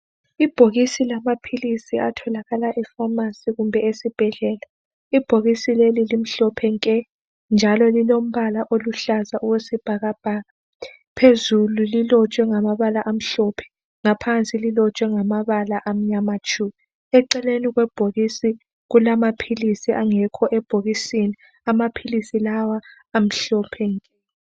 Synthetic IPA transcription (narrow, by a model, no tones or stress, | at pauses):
ib̥ʱoɣisilamapʰilisiatʰɔlaɣalaʔɛfamasiɣumbʱɛesib̥ʱɛɮɛːla | ib̥ʱoɣisilelilim̩ɬɔpʰɛŋkʼɛ | nd͡ʒʱalɔlilom̩βalaʔoluɬazaʔuwesib̥ʱaɣab̥ʱaːɣa | pʰezululilɔt͡ʃʼwɛŋamaβalaʔam̩ɬɔpʰɛ̥ | ŋapʰant͡sʼililɔt͡ʃʼwɛŋamaβalaʔam̩ɲamat͡ʃʼumi | ɛǃɛleniɣwɛb̥ʱoɣisi | ɣulamapʰilisiʔaŋɛkʰɔʔɛb̥ʱoɣisini | amapʰilisilawaː | m̩ɬɔpʰɛŋkʼɛ